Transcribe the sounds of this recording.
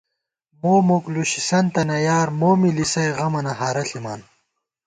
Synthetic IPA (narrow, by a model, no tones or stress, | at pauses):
moːmukluɕi̥sɐnt̪ɐnɐjaːɾmoːmilisɐjɣɐmɐnɐɦaːɾɐɬima̰ːn